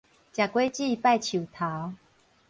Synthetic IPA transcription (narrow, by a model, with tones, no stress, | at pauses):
t͡ɕja˨˩kwe˦t͡ɕi˥˧˨pa˥˧˨jt͡ɕʰu˨˩t̪ʰa˨˦